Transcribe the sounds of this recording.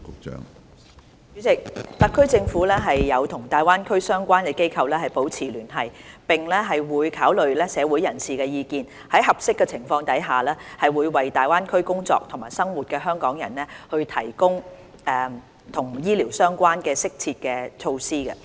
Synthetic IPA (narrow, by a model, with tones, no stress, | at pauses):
kʊ˨k̚t͡ʃœ̰ː˨˥ŋ | yː˨˥t͡sɪ˨k̚t̪ɐ˨kʰːɵ˥t͡sɪ˧ŋfuː˨˥lɛː˥ɦɐ˨jːɐ˨˧wt̪ʰʊ˨˩ŋt̪aː˨jwaː˥nkʰɵ˥ɥsœː˥ŋkʷaː˥nkɛː˧ke˥jkʰɐ˧wlɛː˥hɐ˨˩jpo˨˥wt͡sʰiː˨˩lyː˨˩nɦɐ˨jpɪ˨ŋlɛ˥ɦɐ˨jwuː˨˧jkʰaː˨˥wlɵ˨ɥlɛː˥sɛː˨˧wu˨˥jɐ˨˩nsiː˨kɛː˧jiː˨˧kiː˨˧n | hɐ˨˥jɦɐ˨˩p̚sɪ˥kːɛː˧t͡sʰɪ˨˩ŋfɔː˧ŋt̪ɐ˨˥jɦaː˨lɛː˥hɐ˨jwuː˨˧jwɐ˨˩jt̪aː˨˩jwaː˥nkʰɵ˥ɥkʊ˥ŋt͡sɔ̰ː˧k̚t̪ʰʊ˨˩ŋmaː˨˩jsɐ˥ŋwuː˨t̚kɛː˧ɦœː˥ŋkɔː˨˥ŋjɐ̰˨˩nlɛ˥hɵ˧ɥt̪ʰɐ˨˩jkʊ˥ŋ | ɛː˨˧ | t̪ʰʊ˨˩ŋjiː˥liː˨˩wsœː˥ŋkʷaː˥nkɛː˧sɪ˥k̚t͡sʰiː˧t̚kɛː˧t͡ʃʰo˧wsiː˥ɡɐ˧